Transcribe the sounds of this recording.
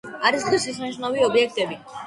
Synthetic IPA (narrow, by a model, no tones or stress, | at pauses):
aɾisχisisiʃnaviɔbiɛk̚ʰt̪ʼɛbi